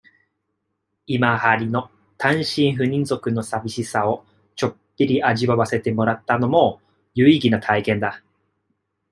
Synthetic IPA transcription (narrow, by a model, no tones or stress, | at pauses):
imahaɾʲino̞ | t̪ʰãɰ̃ɕĩɰ̃ɸɯ̟ɲ̟ĩnd͡zo̞kɯ̟no̞sabʲiɕisao̞ | t͡ɕo̞kʲːiɾʲiʔaʑiβaβase̞t̪e̞mo̞ɾat̪ːano̞mo̞ | jɯiɡʲinat̪ʰaikẽ̞nd̪a